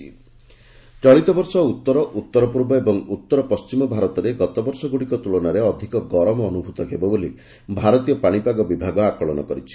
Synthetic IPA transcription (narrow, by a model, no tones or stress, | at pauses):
ḭ | t͡ʃɔɭit̪ɔbɔɾsɔut̪ːɔɾɔʔut̪ːɔɾɔpuɾbɔebɔŋut̪ːɔɾɔpɔst͡ʃimɔbʱaɾɔt̪ɔɾeɡɔt̪ɔbɔɾsɔɡuɽikɔt̪uɭɔnaɾeɔd̪ʱikɔɡɔɾɔmɔːnubʱut̪ɔɦebɔboli | bʱaɾɔt̪ijɔpaɽ̃ipaɡɔbibʱaɡɔakɔɭɔnɔ̰kɔɾit͡ʃʰi̥